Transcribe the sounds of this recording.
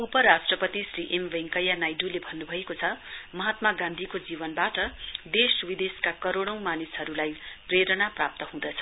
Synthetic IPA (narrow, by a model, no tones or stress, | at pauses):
upʌɾasʈrʌpʌt̪isriʔemʋeŋkʌjanajɖulebʱʌnːubʱʌekot͡sʰʌmʌɦat̪maɡãnd̪ʱikod͡zibʌnbaʈʌd̪eswid̪eskakʌɾoɽ̃ʌ̃w̃manisɦʌɾulajpreɾʌnaprap̚t̪ʌɦũd̪ʌt͡sʰʌ̥